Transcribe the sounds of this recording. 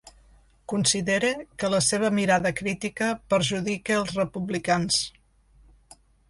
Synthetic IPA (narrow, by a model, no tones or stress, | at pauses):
kunsiðeɾekələseβ̞əmiɾaðəkɾit̪ikəpəɾʒuðikeəlˠzrəpuβlikans